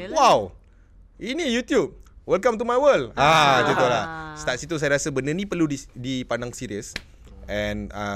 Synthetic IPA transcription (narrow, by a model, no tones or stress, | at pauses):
waw | ʔinijut̪jup̚wɛlkãmt̪̬umajwəlat͡ʃut̪olast̪at̪sit̪us̬ajaɾasabənənĩpərludidipandaŋsiɾiəs | ɛ̃nə